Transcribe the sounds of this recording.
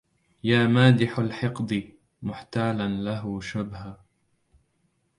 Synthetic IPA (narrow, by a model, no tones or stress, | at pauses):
jaːmaːd̪ɪħalħɪqd̪ɨ | mʊħt̪aːlanlaɦʊʃabha